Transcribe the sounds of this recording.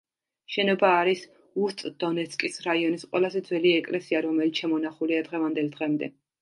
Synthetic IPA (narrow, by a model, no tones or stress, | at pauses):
ʃɛnɔbaːɾis | uɾt̪ʼd̪̥ɔnɛt̪sʰʼkʼisɾaiɔnisqʼwɛ̰lˠazɛd̪zwɛliɛkʼlɛsiaɾɔmɛlit̪ʰʃɛmɔnaχuliad̪ʁɛvand̪ɛlˠd̪ʁɛmd̪ɛ̰